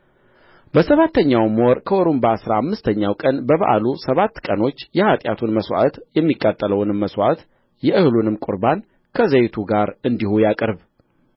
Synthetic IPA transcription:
bəsəβat̪ʰːəɲːawmoɾkʰəʔoɾumbaːsɾaamːɨst̪ʰəɲːawkʼənbəβə̰ʔa̰lusəβat̪ːkʼəno̞t͡ʃːjɛhat̪ʼja̰t̪ʰunməswa̰t̪jɛmːikʼːat̪ʼːələwnɨmːəswa̰t̪ | jɛʔɨhɨlunɨmkʼʊɾban | kʰəzəjt̪ʰuɡaɾɨnd̪ihujakʼɨɾb

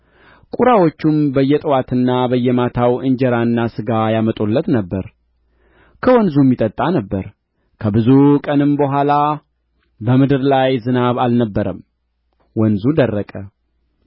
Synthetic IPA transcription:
kʼuɾawot͡ʃːumbəjːɛt̪ʼwat̪ʰɨnːabəjːɛmat̪ʰawɨɲd͡ʒɛɾaɨnːasɨɡajamət̪ʼolːət̪nəbːəɾ | kʰəwɔnzumːit̪ʼət̪ʼːanəbːəɾ | kʰəbɨzukʼənɨmbəɦʷala | bəmɨd̪ɨɾlajzɨnaβalnəbːəɾəm | wɔnzud̪ərːəkʼə

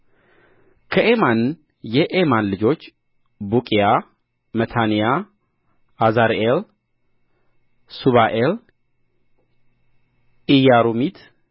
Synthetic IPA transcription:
kʰəʔeman | jɛʔemanlɨd͡ʒo̞t͡ʃː | bukʼija | mət̪ʰanija | azaɾʔel | suβaʔel | ijaɾumit̪

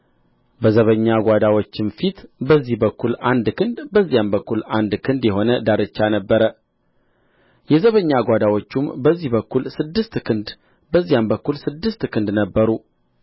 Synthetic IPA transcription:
bəzəβəɲːaɡʷad̪awot͡ʃːɪnfit̪bəzːihbəkʰːuland̪kʰɨnd̪bəzːijambəkːuland̪kʰɨnd̪jɛɦo̞nəd̪aɾɨt͡ʃːanəbːəɾə | jɛzəβəɲːaɡʷad̪awo̞t͡ʃːumbəzːihbəkːulsɨd̪ːɨst̪kʰɨnd̪ | bəzːijambəkːulsɨd̪ːɨst̪kʰɨnd̪nəbːəɾu

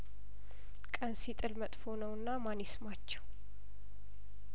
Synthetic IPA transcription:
kʼənsit̪ʼɨlmət̪ʼfo̞nəwɨnːamanismat͡ʃːɛw

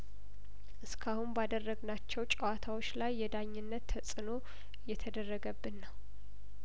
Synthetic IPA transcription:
ʔɨskʰahunbad̪ərːəɡnat͡ʃːɛwt͡ʃʼəwat̪ʰawot͡ʃːlajːɛd̪aɲːɨnːət̪ːʰəsʼɨno̞ | jɛt̪ʰəd̪ərːəɡəbːɨnːəw

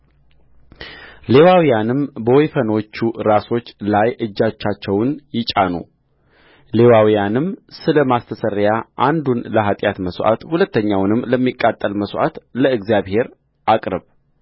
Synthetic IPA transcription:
le̞wawijanɨmbəwɔjfəno̞t͡ʃːuɾaso̞t͡ʃːlajɨd͡ʒːat͡ʃːat͡ʃːɛwnjɪt͡ʃʼːanṵ | le̞wawijanɨmsɨləmast̪ʰəsəɾjaʔand̪unləɦat̪ʼjat̪məsʔa̰t̪hulət̪ːəɲːawnɨmːləmːikʼːat̪ʼːəlməsʔa̰t̪ləɨɡzijaβhe̞ɾ | ʔakʼɾəβ

